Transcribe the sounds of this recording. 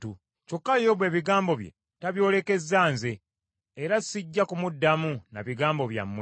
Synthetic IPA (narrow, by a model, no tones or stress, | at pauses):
u | co̞kːajoβwe̞ːβiɡaːmbo̞βjḛ | taβjo̞ːle̞ke̞zːaːnzeː | ɾasiɟːakumudːamunaβiɡaːmbo̞βja̰mːw